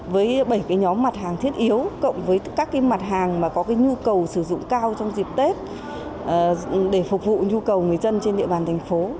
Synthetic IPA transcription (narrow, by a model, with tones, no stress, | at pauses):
vəː˨˦jɓə˧˩jkaː˨˦jɲɔ˨˦mːa˨˩t̚ɦaː˨˩ŋt̪ʰi˦˥ət̚ʔi˨˦əwkə̰˧˨wŋ͡mvəː˨˦jkaː˦˥kːaː˨˦jma˨˩t̚ɦaː˨˩ŋmaː˨˩kɔ˨˦kaː˨˦jɲu˧kə˨˩wsɨ˧˩zʊ̰˧˨ŋ͡mkaː˧wt͡ɕɔ˧wŋ͡mzi˨˩p̚t̪e˦˥t̚ː | ɗe˧˩fʊ˨˩k͡p̚vṵ˧˨ɲu˧kə˨˩wŋɨ˨˩əjzə˧nt͡ɕe˧nɗḭ˧əɓaː˨˩nt̪ʰjŋ̟fo˨˦